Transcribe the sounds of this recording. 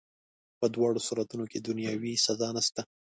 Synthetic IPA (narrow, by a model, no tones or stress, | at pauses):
pəd̪wɑɽosuɾat̪unoked̪ʊnjɑwisazɑnast̪a